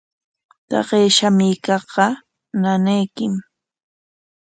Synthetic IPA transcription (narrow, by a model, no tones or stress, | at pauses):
t̪ɑ̰ɢeːʃamɪkɑχɢɑ | nanajkɪm